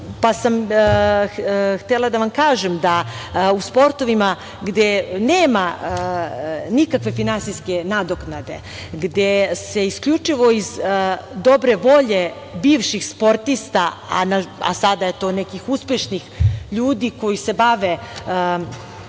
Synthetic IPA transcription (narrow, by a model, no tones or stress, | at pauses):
pasam | xt̪elad̪aʋamkaːʒemd̪auspo̞ɾt̪o̞ʋima | ɡd̪eneːma | nikakʋe̞finansijske̞nad̪oknad̪e̞̰ | ɡd̪eseiskʎut͡ʂiʋo̞izd̪o̞bɾeʋo̞ʎe̞ | biːʋʃixspo̞ɾt̪ist̪aa̰naa̰sad̪ajet̪o̞ːnekixuspjeʃnixʎuːd̪iko̞jise̞baʋe